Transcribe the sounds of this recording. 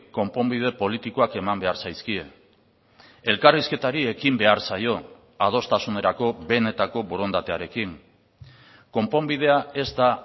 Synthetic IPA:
ko̞mpo̞mbið̞e̞po̞lit̪iko̞ake̞mambe̞aɾsajskie | e̞lkariske̞t̪aɾie̞kimbe̞aɾsajo̞ | að̞o̞st̪asune̞ɾako̞βe̞ne̞t̪ako̞βo̞ɾo̞nd̪at̪e̞aɾe̞kiŋ | ko̞mpo̞mbið̞e̞ae̞zd̪a

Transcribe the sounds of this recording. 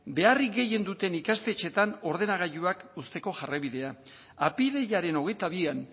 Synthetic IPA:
be̞arikɡe̞je̞nd̪ut̪e̞nikast̪e̞t͡ʃe̞t̪ano̞ɾð̞e̞naɣ̞aʎuakust̪e̞ko̞ʝaraβiðe̞a | apiðe̞jaɾe̞no̞ɣe̞jt̪aβ̞ian

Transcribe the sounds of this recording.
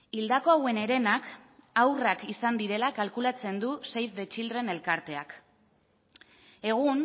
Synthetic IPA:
ild̪ako̞awe̞ne̞ɾe̞nakawrakisand̪iɾe̞lakalkulat͡se̞nd̪use̞jzðe̞t͡ʃild̪re̞ne̞lkaɾt̪e̞ak | e̞ɣ̞un

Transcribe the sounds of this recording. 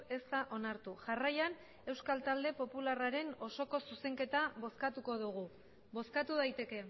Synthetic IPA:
e̞st̪aʔo̞naɾt̪uʝarajan | e̞wskalt̪ald̪e̞po̞pularaɾe̞no̞so̞ko̞suse̞ŋke̞t̪aβoskat̪uko̞ðuɣ̞u | βo̞skat̪uðajt̪e̞ke̞

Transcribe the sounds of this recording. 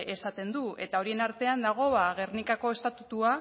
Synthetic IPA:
e̞sat̪e̞nd̪ue̞t̪ao̞ɾie̞naɾt̪e̞and̪aɣ̞o̞βaɣ̞e̞rnikako̞e̞st̪at̪ut̪ua

